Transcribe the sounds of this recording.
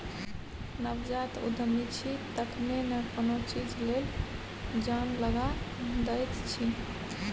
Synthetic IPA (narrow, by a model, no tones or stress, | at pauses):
nəbd͡ʒat̪ṵd̪ʱəmit͡ʃʰit̪əkʰmenəkonot͡ʃid͡ʒlel | d͡ʒanləɡãd̪əjt̪t͡ʃʰi